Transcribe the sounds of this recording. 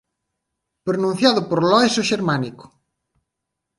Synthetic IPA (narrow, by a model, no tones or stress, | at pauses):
pɾonũn̟θjaðʊpoɾlɔesoʃeɾmanikʊ̥